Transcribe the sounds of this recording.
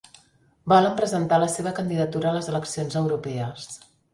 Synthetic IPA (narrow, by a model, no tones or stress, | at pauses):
bɔləmpɾəzənt̪aləseβəkənd̪iðət̪uɾəːləzələksionzəwɾupɛəs